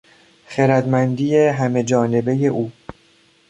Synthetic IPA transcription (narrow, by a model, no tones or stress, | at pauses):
xeɾæd̪mænd̪iːjeɦæme̞d͡ʒɒːne̞be̞jeʔuː